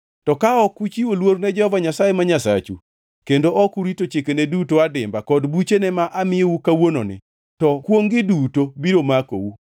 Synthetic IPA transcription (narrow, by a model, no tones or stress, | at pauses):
tɔkaɔkut͡ʃiolwoɾnɛd͡ʒɛhɔvaɲasajemaɲasa̰t͡ʃu | kendoʔɔkuɾitot͡ʃekenedutoadɪmbakɔdbut͡ʃenɛmaʔamɪjeukawono̰nɪ̰ | tɔkwoŋɡɪdutobiɾomako̰wu